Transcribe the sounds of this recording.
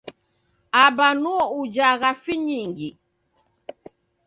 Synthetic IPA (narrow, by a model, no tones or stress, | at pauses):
abanuɔud͡ʒaɣafiɲiŋɡi